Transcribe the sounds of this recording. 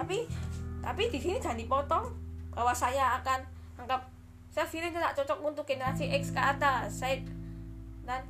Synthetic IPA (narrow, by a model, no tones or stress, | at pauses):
t̪apit̪apid̪̥i̤sinid̥ʒ̥a̤nipɔt̪ɔŋb̥a̤wasajaːkan | aŋkap̚ | sajafilɪnt̪ena̰ʔt͡ʃɔt͡ʃɔk̚munt̪ukenasiʔɛkskaːd̪asaɪt̪̚ | nan